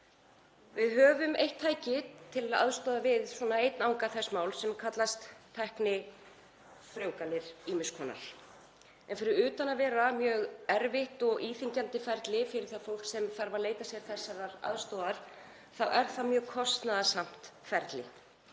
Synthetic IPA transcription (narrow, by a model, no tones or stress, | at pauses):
vɪðɦœːvʏmejht̪ʰːaːjcɪt̪ʰɪlaða̰ðst̪oːðavɪðswɔːnaejt̪nawŋkaθɛsːmawlsɛmkʰat̪last̪p̪ʰɛhknɪ | fɾjowkalɪɾ̥iːmʏskʰɔːna̰ɾ̥ | ɛnfɪɾɪɾʏːt̪anavɛːɾamjœːɣɛɾvɪht̪ɔɣʔiːθiɲcant̪ɪfɛɾt̪lɪfɪɾɪɾ̥θafowl̥ksɛmfaɾvaleːjt̪asjɛɾ̥θɛsːaɾaɾa̰ðst̪oːðaɾ̥ | θawʔɛɾ̥θamjœːɣkʰɔst̪naðasam̥t̪fɛɾt̪lɪ